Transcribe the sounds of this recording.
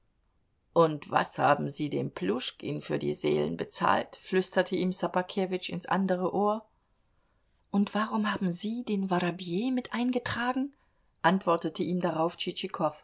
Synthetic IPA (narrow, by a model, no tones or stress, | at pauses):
ʔʊntv̥a̰shaːbm̩ziːdeːmpʰlʊʃkʔḭːnfyːɐdḭːzḛːlə̰nbət͡sa̰ːltflʏstɐtʰəʔiːmsapakʰeːvɪt͡ʃɪnsʔa̰ndəʁ̞əʔoːɐ | ʔʊntv̥aʁʊmhaːbm̩ziːdeːnvaʁabjeːmɪtʔaɪnɡətʁ̥aːɡŋ̩ | ʔantv̥ɔɐtətəʔiːmdaʁaʊft͡ʃit͡ʃikʰɔf